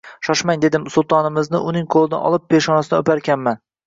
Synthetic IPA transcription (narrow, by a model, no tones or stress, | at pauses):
ʃɒʃmaŋd̪e̞d̪ɪmsʊlˠt̪ʰɒnɪmɪznɪʔʊnɪŋqʰolˠɪnɪ̰ʔɒ̰lˠɪp̚ʰːeʃɒnasɪnɵpaɾkʲʰanman